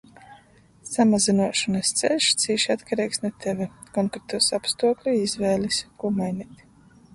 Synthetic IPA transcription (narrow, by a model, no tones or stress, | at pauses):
samazinuɔʃanast̪sɛ̰lʲʃt̪siːʃiat̪kaɾiːksnut̪evʲɛkɔŋkɾet̪uɔsapst̪uɔklʲuizvɛːlʲiskuɔmajnit̪ʲ